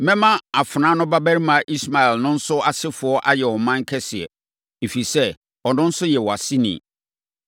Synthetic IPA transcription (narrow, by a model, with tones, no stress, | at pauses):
mɛ̃˦mã˦a˨fʊ˨nã˨˦nʊ̃˦ba˦bæ˦ɾi˦mã˨ʔi˦sma˨ɛ˨lnʊ̃˦n̩˦sʊ˦a˨sɪ˦fʊ˨ɔ˦ʔa˦jɛ˨wɔ˨mã˦ŋ̩˦kʰɛ˦sɪ˨ɛ̰˨ | e˨fi˨sɛ˦ | ɔ˨nʊ̃˦n̩˦sʊ˦jɛ˨wɔ˨a˨sɪ˦nḭ̃˨